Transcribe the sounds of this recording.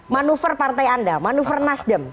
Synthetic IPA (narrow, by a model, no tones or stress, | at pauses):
manufərpart̪ajandamanufərnasdəm